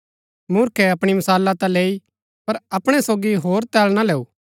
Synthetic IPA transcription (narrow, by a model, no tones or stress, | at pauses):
mʊɾkʰɛɐpɽ̃imɐsaːlːat̪ãleːi | pɐɾɐpɽ̃ɛsoːɡiɦoːɾt̪ɛːlnaleːuː